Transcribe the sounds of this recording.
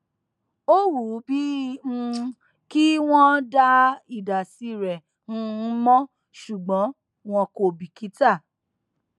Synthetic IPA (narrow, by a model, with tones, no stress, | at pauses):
o˦wu˨˦bĩ˦˧ | ki˦w̃ɔ̃˦da˦i˨da˨si˨˦ɾɛ˨ | ñ̩˦˧˦mɔ̃˦ | ʃu˨ɡ͡bɔ̃˨˦ | w̃ɔ̃˧ko˧bi˨ki˨˦ta˦˨